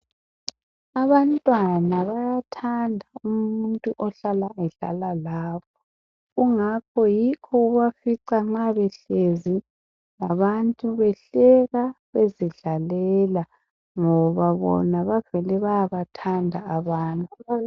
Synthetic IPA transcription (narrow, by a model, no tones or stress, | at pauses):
aβantʼwanaβajatʰandʱaumuntʼuʔɔɬalaɛɮa̰lalaːpʰɔ̥ | ɣuŋakʰɔjikʰɔɣuβafiǀaŋ͡ǁaβɛɬezi | laβantʼuβɛɬɛɣaβeziɮalɛla | ŋɔβaβɔ̰naβav̥ɛlɛβajaβatʰandʱaːβaːntʼu